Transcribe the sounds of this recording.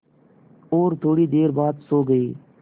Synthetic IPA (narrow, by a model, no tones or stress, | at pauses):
oːɾt̪ʰoːɽiːd̪eːɾbaːd̪soːɡəiː